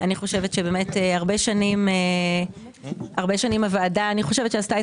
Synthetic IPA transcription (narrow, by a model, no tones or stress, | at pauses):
aniχo̞ʃe̞vetʃebeːmeteaʁbe̞ʃanime | aʁbe̞ʃanimavaːdaːniχo̞ʃevetʃeastae